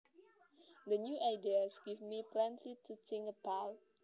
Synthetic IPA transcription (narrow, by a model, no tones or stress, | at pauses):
dənjuʔaɪdiəsɡivmiplɛ̃ntʰlitʰutɪ̃ŋəpʰal